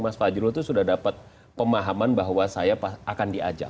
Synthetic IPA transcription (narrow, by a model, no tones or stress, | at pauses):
masfad͡ʒɾot̪usudahdapat̪̚ | pəmaɦamanbaɦwasajapaakandia̰d͡ʒa̰